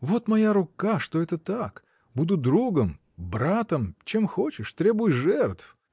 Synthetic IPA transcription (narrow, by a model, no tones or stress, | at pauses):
vo̞t̪mɐjaɾʊkaʂt̪oɛt̪ət̪ak | bud̪ʊd̪ɾuɡəm | bɾat̪əmt͡ɕemxo̞t͡ɕɪʂt̪ɾʲebʊjɪʐɛrt̪f